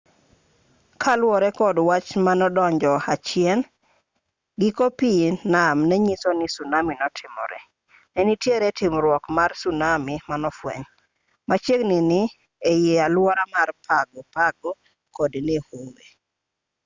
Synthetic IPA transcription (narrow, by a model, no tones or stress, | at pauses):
kʰalwɔɾɛkɔdwat͡ʃmanɔdɔɲd͡ʒɔat͡ʃɪɛn | ɡɪkopinamnɛɲisonɪsunaminɔtʰɪmɔ̰ɾɛ̰ | nɛnitjeɾɛtɪmɾwɔkmarsunamimanɔfwɛ̰ɲ | mat͡ʃeɡnɪnɪ | ejealwɔɾamarpʰaɡɔpaɡɔ | kɔdnɪhoŋɡe